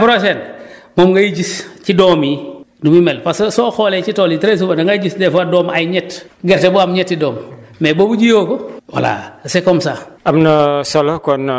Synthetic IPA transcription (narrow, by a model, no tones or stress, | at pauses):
pɾosenmomŋɡajiɟiscidomi | numimelpassoxoːlet͡ʃitoːlitɾes̬ubadaŋɡaɟisdɛfadoːmajɲɛtɡeɾtebuamɲɛtːidoːmmeːboːbuɟijoːkowa̰la̰sekomsaːamnɐsolokon